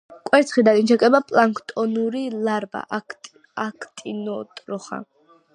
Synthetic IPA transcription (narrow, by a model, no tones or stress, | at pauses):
kʼwɛɾt̪sʰχid̪ad̪int͡ʃʰɛkʼɛbapʼlˠaŋkʰt̪ʼɔnuɾilaɾba̰ | akʰt̪ʼinɔt̪ʼɾɔχa̰